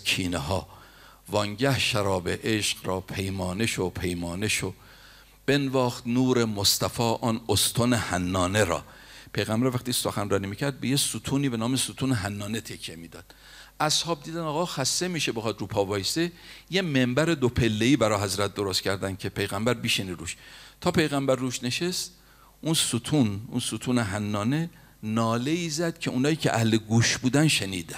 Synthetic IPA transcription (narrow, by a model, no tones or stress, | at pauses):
kʰiːneɦɒː | vɒŋɟæhʃæɾɒːbeʔeʃqɾɒːpʰe̞jmɒːneʃopʰe̞jmɒːneʃo | b̥e̞nvɒːxt̪nuːɾemost̪æfɒːʔɒːnost̪ʰonehænːɒːneɾɒ̰ːpʰe̞jɣæmbæɾvæχt̪iːso̞xænrɒːniːmiːcʰæɾd̪̚be̞jesut̪ʰuːniːbenɒːmesut̪ʰuːneɦænːɒːne̞t̪ʰekʰje̞miːd̪ɒːd̪̥ | ʔæshɒːb̚d̪iːd̪ænɒːɣɒːxæst̪e̞miːʃebexɒːd̪ɾuːpʰɒːbɒːjsejemembæɾed̪opʰe̞lːeiːbæɾɒːɦæzɾæt̪̚d̪o̞ɾost̪cʰæɾd̪æn̥cʲʰe̞pʰejɣæmbæɾbiːʃeniːɾṵːʃt̪ʰɒːpʰe̞jɣæmbæɾːuːʃne̞ʃest̪ | ʔunsut̪ʰunṵnsut̪ʰuːneɦænːɒːne̞ | nɒːle̞iːzæd̪̥cʰe̞uːnɒːjiːcʰḛʔæhleɡuːʃbuːd̪ænʃenḭːd̪æ